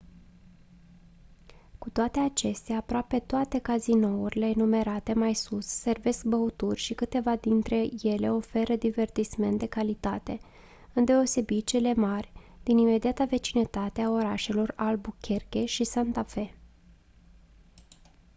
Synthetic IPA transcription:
kut̪oat̪e̞at͡ʃe̞st̪eaːpɾoape̞t̪oat̪e̞kazino̞urʲile̞ːnume̞ɾat̪e̞majsusːe̞rve̞sk̚bəut̪urʲʃikɨt̪e̞vad̪int̪ɾe̞je̞le̞o̞fe̞ɾəd̪ive̞rt̪isme̞nt̪̚d̪e̞kalit̪at̪e̞ | ɨnd̪e̞o̞se̞bit͡ʃe̞le̞marʲd̪̥inime̞d̪iat̪əve̞t͡ʃinət̪at̪eao̞ɾaʃe̞lo̞ralbukʲʰerkʲe̞ʃisant̪afe̞

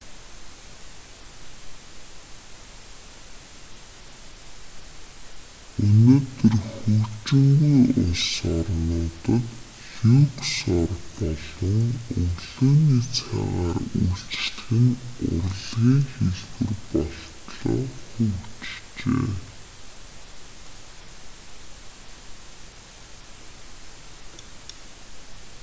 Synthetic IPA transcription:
ɵnoːt̪ɵ̆rxɵt͡ɕɪ̆ŋɡujʊ̰sarnʊːt̪ə̆t̪ | xuːksɔrpɔɮə̆ŋɵɣɮoːniːt͡sʰa̰ʁaːrujɬt͡ɕt̪xɘ̆nʊ̰rɮɣiːŋxeɮɣɘ̆rpɔɬt̪ɮɔ̰ːxɵwt͡ɕt͡ɕeː

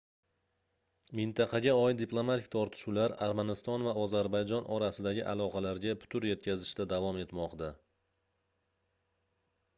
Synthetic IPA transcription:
mɪnt̪ʰaqʰɑɡʲaɒjd̪ɪplˠomat̪ʰɪk̚ʲt̪ʰɒɾt̪ʰɪ̥ʃulaɾaɾmanɪst̪ɒnvaɒzaɾbajd͡ʒɒnʔɒɾasɪd̪aɡʲɪʔa̰lˠɒqʰɑlaɾɡʲapʰʊ̥t̪ʰʊɾje̞t̪̚kʲʰazɪʃt̪ad̪avɒme̞t̪mɒqd̪a

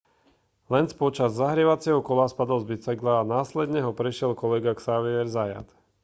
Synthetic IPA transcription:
lɛnspɔt͡ʃazːaɦɾɪɛʋat͡sɪɛɦɔkɔlaspad̪ɔlzbit͡saɡlaːnaːslɛd̪ɲɛɦɔpɾɛʃɪɛlkɔlɛɡaksaʋiɛɾzaja̰t̪

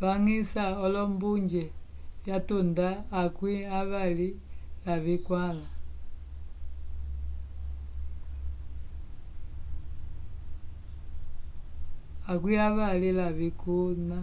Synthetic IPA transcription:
βaŋisaɔlɔmbuɲd͡ʒɛ | jatundaːkwiaβalilaβikwala | akwiaβalilaβikuna

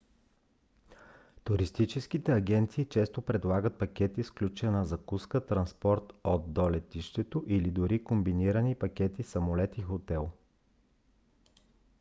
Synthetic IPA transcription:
t̪ʊɾist̪it͡ʃɛsk̟it̪ɛɐɡʲɛnt̪siːt͡ʃɛst̪opɾɛd̪lˠaɡət̪̚pɐkʲɛt̪isklʲut͡ʃɛnɐzɐkuskət̪ɾɐnspɔɾt̪od̪d̪olɛt̪iʃt̪ɛt̪oʔilid̪ʊɾikombiniɾənipɐkʲɛt̪isɐmolɛt̪ixot̪ɛlˠ

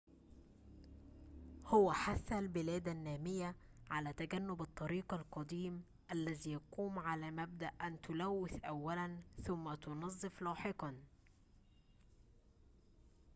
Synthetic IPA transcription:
hʊwæħaθːalbɪlæːd̪anːæːmɪjːa | ʕalæːt̪aɡanːʊbɑt̪ˤːɑɾiːqɑlqɑd̪iːm | ʔælːæziːjɑquːmʕalæːmæb̚d̪aʔʔænt̪ʊlæwːɪθʔawːælanθʊmːat̪ʊnɑzˤːɨflɑːħɪqɑn

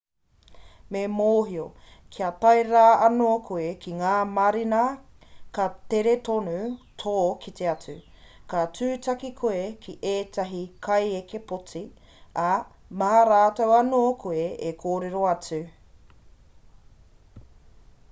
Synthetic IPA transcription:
memoːɦiokʰiɐt̪ɐjɾaːɐnokʰuekiŋaːmɐɾinɐkɐt̪eɾetonutʰoːkʰit̪eɐt͡sʉ | kat͡sʉːtɐkikʰoekʰiʔeːtɐɦikʰɐjekepot͡si | ɐ | maɾaːtowɐnoːkʰueekʰoːɾeɾo̞ɐt͡sʉ

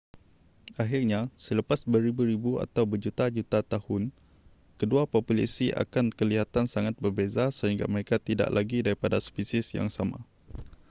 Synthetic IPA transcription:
aɦirɲasələpasbəɾibuɾibua̰t̪awbərd͡ʒut̪ad͡ʒut̪at̪ahʊn | kəduapopula̰siʔa̰kankəliɦat̪ansaŋat̪̚bərbezasəɦiŋɡa̰məɾekat̪ida̰ʔlʔaɡidaɾipadaspisisja̰ŋsama̰

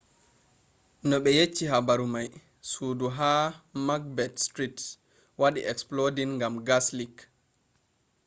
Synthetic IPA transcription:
nɔɓɛjet͡ʃːiɦabaɾumaj | suːduɦaːmaɡ̚bɛtstɾit | waɗḭʔɛksplodinŋɡamɡaslik

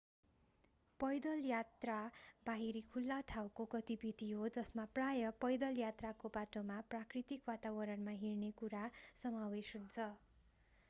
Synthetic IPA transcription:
pʌjd̪ʌljat̪rabaɦiɾikʰulːaʈʰawkoɡʌt̪ibid̪iɦod͡zʌsmaprajʌpʌjd̪ʌljat̪rakobaʈomaprakrit̪ikwat̪abʌɾʌnmaɦirnekuɾasʌmawesɦunt͡sʰʌ

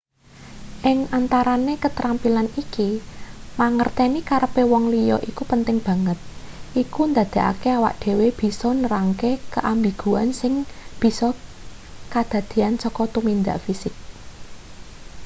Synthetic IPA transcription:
ʔɪŋant̪aɾanekət̪ɾampilanikimaŋərt̪enikaɾəpewɔŋlijɔʔikupənt̪ɪŋb̥ä̤ŋət̪̚ | ʔikund̪äd̪̥a̤ʔa̰keawa̰ʔd̪̥e̤web̥i̤sɔnəɾaŋkekəʔambiɡ̥uansɪŋb̥i̤sɔ | kad̪̥a̤d̪̥i̤ansɔkɔt̪umind̪aʔfisɪk̚

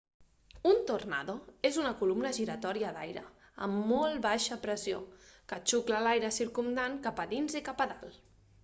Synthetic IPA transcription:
unt̪urna̰ðoezunəkulumnəʒiɾət̪ɔɾiəd̪a̰jɾə̰ | ə̰mːɔlˠβaʃəpɾəzio̰kət͡ʃukləlajɾəsiɾkumd̪aŋkapəðinzikapəðalˠ

